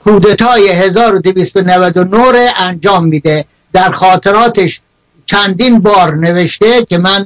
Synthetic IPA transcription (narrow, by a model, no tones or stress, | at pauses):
kʰuːd̪et̪ʰɒːjeɦezɒːɾod̪eviːst̪onævæd̪onoɾeʔænd͡ʒɒːmːiːd̪e | d̪æɾxɒːt̪ʰeɾɒːt̪ʰeʃ | t͡ʃʰænd̪iːnbɒːɾneveʃt̪ekʲʰemæn